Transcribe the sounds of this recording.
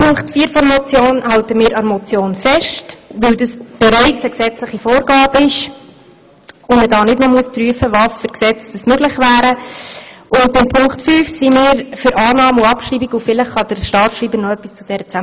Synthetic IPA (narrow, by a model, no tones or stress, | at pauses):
pʰʊŋktfiːəɾfɔɾmɔt͡sjoːnhɑltəmɪːɾɑɾmɔt͡sjoːnfɛʃtʋɪldɑsb̥ɛɾæɪt͡səksɛt͡slɪχifoːɾɡ̥ɑːbəɪʃ | ʊmədɑːnɪdnɔmuəspryəfəvɑsfʏɾksɛt͡sd̥əsmøɡlɪχvæːɾə | ʔʊnt̚bɪmpʰʊŋktfyːfsimɪːɾfʏɾʔɑːnɑːmʊɑpʃriːbikʊfɪlɪχχɑd̥əɾʃtɑːɾtʃriːbəɾnɔœpːist͡sud̥ɛɾət͡sam